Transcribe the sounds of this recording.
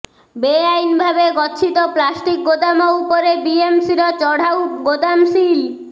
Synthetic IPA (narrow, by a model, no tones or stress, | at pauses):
beajnbʱabeɡɔtːɕʰit̪oplasʈik̚ɡot̪amoupoɾebiemsiɾot͡ɕɔɽ̤ʱauɡot̪amsil